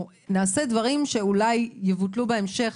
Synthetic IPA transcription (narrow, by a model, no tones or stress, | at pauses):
naːse̞d̪vaʁimʃe̞ulajːevut̪lubeemʃe̞χ